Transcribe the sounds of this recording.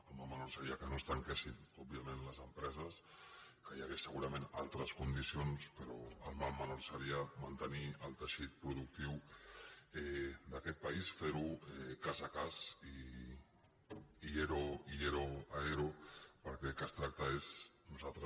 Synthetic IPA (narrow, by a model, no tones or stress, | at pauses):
əlˠmamːənoɾsəɾiəkənost̪əŋkɛsinɔbiamẽnləzəmpɾɛzəs | kəjaɣesəɣ̞uɾɐmẽna̰lˠt̪ɾəskund̪isionspəɾo̰əlˠmamːənoɾsəɾiəmant̪əniəlˠt̪əʃit̪̚pɾuðuk̚t̪iw | ɛd̪akɛt̪̚pəisfeɾuɛkazakazi | ieɾoieɾoaeɾopəɾkɛkəst̪ɾak̚t̪aeznuzat̪ɾə